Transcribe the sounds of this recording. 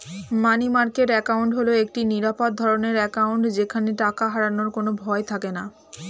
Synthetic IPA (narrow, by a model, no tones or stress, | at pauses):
manimaɾkeʈɛkawɳʈɦoloek̚ʈiniɾapod̪̚d̪ʱɔɾoneɾɛkawɳʈd͡ʑekʰaneʈakaɦaɾanoɾkonobʱɔet̪ʰakena